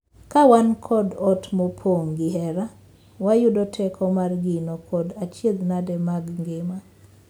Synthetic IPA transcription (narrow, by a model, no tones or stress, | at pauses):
kawankʰɔdɔtmɔpʰoŋɡɪɦɛɾa | wajudɔtʰɛkʰɔmarɡɪnɔkʰɔdat͡ʃjed̪nadɛmaɡŋɡɪma